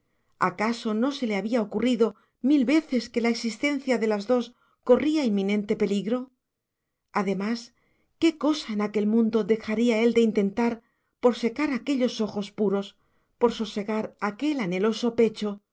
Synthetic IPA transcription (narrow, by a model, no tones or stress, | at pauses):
a̰kaso̞no̞se̞le̞aβiao̞kuriðo̞ | milβe̞θe̞ske̞laeksist̪e̞n̟θjaðe̞lazðo̞s | ko̞riainmːĩnẽ̞nt̪e̞pe̞liɣɾo̞ | aðe̞mas | ke̞ko̞saenake̞lmũnd̪o̞ðe̞xaɾiae̞ld̪e̞int̪e̞nt̪aɾ | po̞ɾse̞kaɾake̞ʎo̞so̞xo̞spuɾo̞s | po̞ɾsose̞ɣaɾake̞lane̞lo̞so̞pe̞t͡ʃo̞